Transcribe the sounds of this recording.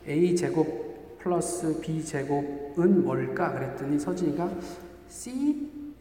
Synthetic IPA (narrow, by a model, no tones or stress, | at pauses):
eit͡ɕe̞ɡok̚ | pʰɯɭʌs͈ɯpit͡ɕe̞ɡoɡ̚ɯnwʌɭk͈akɯɾet͈ɯɲisʰʌd͡ʑiɲiɡa | sʰi